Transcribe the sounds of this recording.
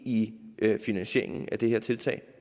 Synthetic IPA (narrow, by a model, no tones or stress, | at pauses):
iʔfinænɕe̝̰ɐ̰e̝ŋn̩æd̥e̝heɐt͡sʰe̝lt͡sʰɛ̰ːɪ